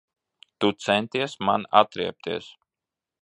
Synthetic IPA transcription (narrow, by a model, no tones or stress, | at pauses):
t̪ut̪sɛnt̪iɛsmana̰t̪ɾḭɛp̚t̪iɛs